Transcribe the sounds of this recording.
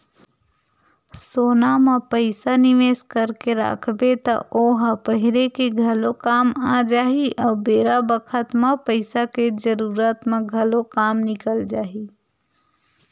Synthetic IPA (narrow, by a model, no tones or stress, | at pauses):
soːnamẽpəɪsaniʋeːskəɾkeɾa̰ːkʰbet̪ɔ̰ʔoːɦpəɦilekeɡʱəlokaːmad͡ʒaːiʔɔːbeːɾabəkʰət̪mẽpəɪsaked͡ʒəɾuːɾət̪mẽɡʱəlokaːmnɪkəld͡ʒaːi